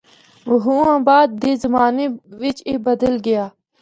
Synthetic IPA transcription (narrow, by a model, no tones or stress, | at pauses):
ʋəɦuːãːbaːd̪̚ːeːzəmaːneʋɪt͡ʃebəd̪əlɡəjaː